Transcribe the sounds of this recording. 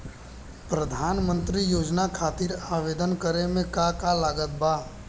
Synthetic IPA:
pɾəd̪ʱaːnmə̃nt̪ɾijoːd͡ʒnakʰaːt̪iɾaːʋeːd̪ənkəɾemẽkakalaːɡət̪̚baː

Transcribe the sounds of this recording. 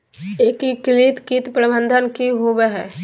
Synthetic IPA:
eːkiklit̪kiːt̪pɾəbə̃nd̪ʱənkiɦobeɦɛ̰ː

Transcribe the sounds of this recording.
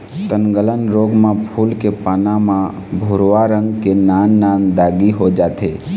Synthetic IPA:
t̪ənɡələnɾoɡmãpʰulkepanamã | bʱuɾoʋaɾə̃ŋɡkenanːand̪aɡiɦod͡ʒat̪ʰe

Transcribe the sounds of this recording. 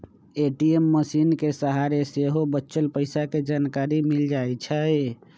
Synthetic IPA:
eʈiemːəsinkesəɦaɾeseɦobətːʃəlpəɪsaked͡ʒankaɾimild͡ʒajt͡ʃʰə

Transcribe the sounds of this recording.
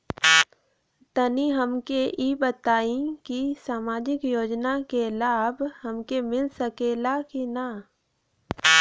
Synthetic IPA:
t̪əniɦəmkeʔiːbət̪aːĩkisaːmaːd͡ʒɪkjoːd͡ʒnakelaːbhɐmkemɪlsəkeːlakina

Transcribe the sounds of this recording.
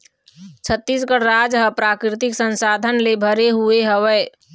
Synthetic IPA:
t͡ʃʰət̪ːisɡəɽɾaːd͡ʒɦəpɾaːkɾɪt̪ɪksə̃nsaːd̪ʱənlebʱəɾeɦueɦəʋɛː

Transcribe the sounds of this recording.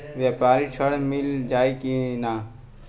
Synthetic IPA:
ʋjaːpaːɾit͡ʃʰəɽmɪld͡ʒaːikinaː

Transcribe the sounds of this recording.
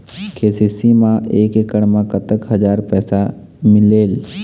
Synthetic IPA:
kʰeːsisimãʔeːkekəɽmãkət̪əkɦɐd͡ʒaːɾpɛːsa | mɪleːl

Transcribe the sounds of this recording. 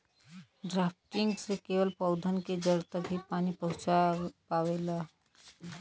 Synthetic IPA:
ɖɾapʈiŋɡsekewəlpəʊd̪ʱənked͡ʒəɾt̪əipanipəɦʊ̃t͡ʃapawela

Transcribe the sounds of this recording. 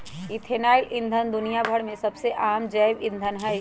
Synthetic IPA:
it̪ʰeːnaːɪlʔɪ̃nd̪ʱənd̪ʊnijabʱəɽmẽsɐbseʔaːmd͡ʒəːbɪ̃nd̪ʱənɦɛj

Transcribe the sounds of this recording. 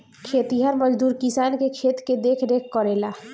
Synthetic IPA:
kʰet̪iɦəɾməd͡ʒd̪uɾkisankekʰet̪ked̪ekʰɾekʰkːɔɾela

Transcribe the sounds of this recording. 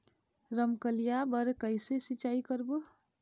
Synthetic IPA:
ɾəmkəlijabəɾkəɪsesit͡ʃaikəɾbu

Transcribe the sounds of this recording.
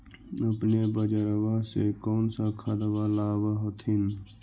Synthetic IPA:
əpnebəd͡ʒəɾəwasekɔːnsakʰad̪əwalaːwaɦot̪ʰɪn

